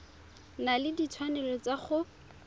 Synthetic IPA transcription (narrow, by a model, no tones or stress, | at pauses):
nalɪdit͡sʰwanɛlɔt͡saχʊ